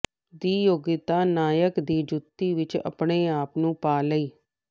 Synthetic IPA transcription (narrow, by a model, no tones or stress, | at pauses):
d̪iːjoːɡɪt̪aːnaːjəkd̪iːd͡ʒʊt̪ːiːʋɪt͡ʃə̰pɳeːaːpnũːpaːləiː